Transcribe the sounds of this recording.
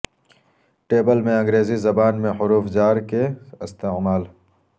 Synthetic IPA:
ʈeːbəlmẽɐ̃ŋɡɾeːzizɐbaːnmẽħʊɾuːfd͡ʒaːɾkeɪst̪eːmaːl

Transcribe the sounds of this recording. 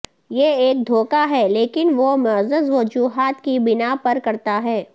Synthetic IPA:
jeeːk̚d̪ʱoːkaɦɛleːkɪnʋomɐzəzʋɐd͡ʒuːɦaːt̪kibɪnapɐɾkɐɾt̪aɦɛː

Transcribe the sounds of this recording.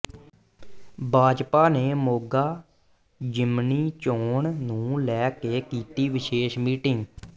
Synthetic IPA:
bʱaːd͡ʒpaːneːmoːɡaː | d͡ʒɪmniːt͡ʃoːɳnũːlɛːkeːkiːt̪iːʋɪʃeːʃmiːʈɪŋɡ

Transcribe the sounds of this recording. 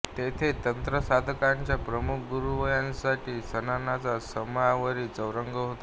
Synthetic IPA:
t̪et̪ʰet̪ənt̪ɾəsad̪ʱkaɲt͡ɕjapɾəmukʰɡuɾuʋəjãnsaʈʰiːsənanat͡sasəmjaʋəɾiːt͡səwɾəŋɡʱəɦot̪a

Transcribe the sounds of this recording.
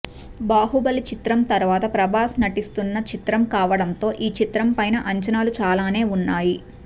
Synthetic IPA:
baːɦubɐlit͡ʃit̪ɾɐmt̪ɐɾʋaːt̪ɐpɾɐbʱaːsnɐʈist̪unːɐt͡ʃit̪ɾɐmkaːʋɐɽɐnt̪o̞ːʔiːt͡ʃit̪ɾɐmpɐjnɐʔɐɲt͡ʃɐnaːlut͡ʃaːlaːne̞ːunːaːji

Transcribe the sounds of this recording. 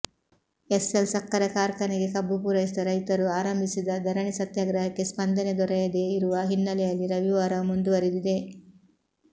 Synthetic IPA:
eselsɐkːɐɾɐkaːɾkɐniɡe̞kɐbːupuɾɐjisid̪ɐɾɐjt̪ɐɾuaːɾɐmbʱisid̪ɐd̪ʱɐɾɐɳisɐt̪jaːɡɾɐɦɐkːe̞spɐnd̪ɐned̪ɔɾɛjɐd̪e̞iɾuʋɐɦinːɐlɛjɐlːiɾɐʋiʋaːɾɐmund̪uʋɐɾid̪id̪e̞

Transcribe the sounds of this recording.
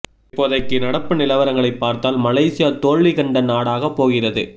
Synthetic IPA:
pːoðɐɪkːɯnɐɽɐpːɯnɪlɐʋɐɾɐŋɡɐɭɐɪpːaːɾt̪aːlmɐlɐɪsɪjaːt̪oːɭːɪɣɐɳɖɐnaːɽaːɣɐpːoːɣɪrɐðɯ̰

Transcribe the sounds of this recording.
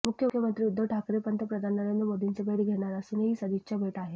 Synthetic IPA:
mukʰjəkʰjəmənt̪ɾiːud̪ʱːəʋʈʰakɾipənt̪əpɾəd̪ʱannəɾend̪ɾəmod̪ʱint͡sebeɽiːɡʱeɽ̃aɾasuneɦiːsəd̪iɕabʱeʈaɦe

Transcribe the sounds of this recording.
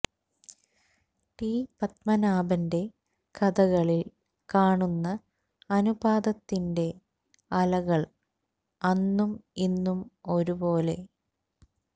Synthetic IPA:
ʈiːpɐt̪̚mɐnaːbɐnde̞ | kɐd̪ɐɣɐɭil | kaːɳunːɐ | ɐnubaːd̪ɐt̪ːinde̞ | ɐlɐɣɐɭ | ɐnːuminːumo̞ɾubo̞ːle̞

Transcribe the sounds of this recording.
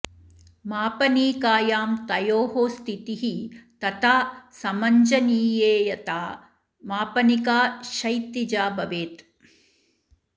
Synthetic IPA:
maːpɐniːkaːjaːmt̪ɐjoːɦoːst̪ʰit̪iɦit̪ɐt̪ʰaːsɐmɐɲd͡ʒɐniːjeːjɐt̪aː | maːpɐnikaːʃɐjt̪id͡ʒaːbɐʋeːt̪

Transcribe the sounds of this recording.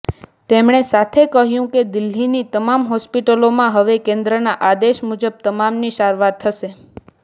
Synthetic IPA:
t̪emɳ̃esat̪ʰekəɦjũked̪ɪlːinit̪əmamɦɔspiʈəlomãɦəʋekẽnd̪ɾənaʔad̪eʃmud͡ʒəb̚t̪əmamniʃaɾʋat̪ʰːəʃe

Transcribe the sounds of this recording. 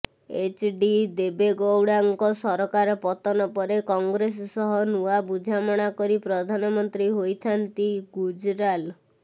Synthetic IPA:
et͡ʃɖid̪ebeɡowɽaŋkɔsɔɾɔkaɾɔpɔt̪ɔnɔpɔɾekɔŋɡɾes̬sɔɦɔnuabud͡ʒʱamɔɽ̃akɔɾipɾɔd̪ʱanɔmɔnt̪ɾiɦojt̪ʰant̪iɡud͡ʒɾal

